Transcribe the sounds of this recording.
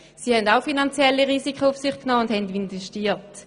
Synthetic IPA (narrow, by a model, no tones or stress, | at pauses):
siːhɛndaʊfinant͡sjɛlːiʁiːsikʰəʊfsiχknɔːʊnd̥hɛndinvɛʃtiːt